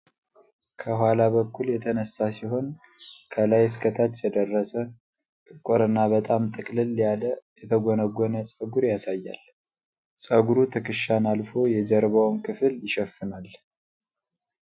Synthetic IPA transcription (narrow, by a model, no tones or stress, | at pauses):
kʰəɦʷalaβəkːuljɛt̪ʰənəsasiɦo̞n | kʰəlajskʰət̪ʰat͡ʃːjɛd̪ərːəsə | t̪ʼɨkʼːoɾɨnːabət̪ʼamt̪ʼɨkʼlɨlːjaljɛt̪ʰəɡonəɡɔnəsʼəɡuɾjasajːa̰l | sʼəɡuɾut̪ʰɨkʰɨʃanalfo̞jɛd͡ʒəɾβawnkʰɨfɨljɪʃɛfːɨnal